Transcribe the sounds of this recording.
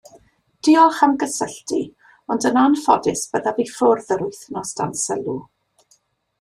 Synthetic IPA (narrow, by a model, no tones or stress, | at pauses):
d̥ɪɔχamɡəsəɬti | ɔndənanfɔdɪsb̥əðavifʊrðəɾʊjθnɔsda̰nsəlˠu